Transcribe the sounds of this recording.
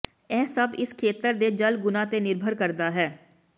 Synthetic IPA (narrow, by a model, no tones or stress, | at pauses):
ɛːsɐbɪskʰeːt̪əɾd̪ed͡ʒɐlɡʊnat̪enɪɾbʱəɾkəɾd̪aɦɛː